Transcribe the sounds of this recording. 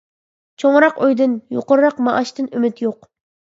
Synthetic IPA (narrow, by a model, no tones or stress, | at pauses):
t͡ʃʰoŋɾɑqojd̪ɨnjoqʊɾːɑqmɑʔɑʃt̪ɨnymɪt̪joq